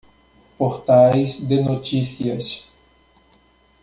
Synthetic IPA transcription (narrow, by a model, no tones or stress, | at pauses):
poɾt̪ajzd̪ɪnot͡ʃiθiɐs